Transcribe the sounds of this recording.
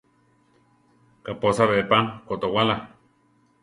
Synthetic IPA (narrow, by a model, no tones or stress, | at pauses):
kaposaβepakot̪owala